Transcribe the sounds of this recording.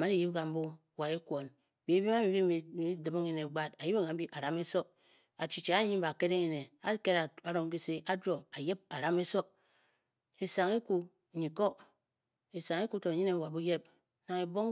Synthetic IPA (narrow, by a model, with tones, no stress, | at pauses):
ma˦di˨ji˦p̚ɡa˨m̩˦bu˦˨ | wa˨e˦kʷo˨n˨ | bi˨˦e˦bi˦ma˦mi˨bi˦i˨i˨˦di˨mo˦ŋi˨ne˨ɡ͡ba˦ta˨ji˦be˦ŋa˨m˦bi˦ʔa˨ɾa˨˦me˦so˦k̚ | a˨t͡ʃi˨t͡ʃa˨˦ɲi˦m̩˦ba˨ke˦ɾe˦ŋi˨ne˨a˨˦ke˦ɾa˨a˨ɾo˦ŋ˦ki˦se˦ʔa˦d͡ʒɾo˨a˨je˦b̚a˨ɾa˦me˦so˦k̚ | e˨sa˨ŋi˦ku˨ | ɲi˨ko˦ | e˨sa˨ŋe˦ku˦to˨ɲi˦ne˦wa˨bu˦je˦p̚ | na˨ŋe˨bo˦ŋ